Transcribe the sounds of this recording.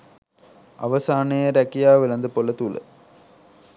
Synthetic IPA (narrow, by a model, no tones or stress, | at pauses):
ʔɐ̰ʋɐsaːnɐjɐɾɐkijaːʋɪlɐnd̪ɐpoːlɐt̪ulɐ̰